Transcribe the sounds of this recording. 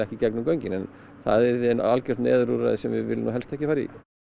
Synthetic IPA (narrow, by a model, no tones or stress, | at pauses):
ɛhcɪcɛknʏmkœjɲcɪnɛnθaðɛɾðɪɛnalcɛr̥t̪nɛ̰ːðɾuɾa̰ðɪsɛmvɪðvɪ̰lɪnuwɦɛlst̪ʰɛhcɪfaːɾḭ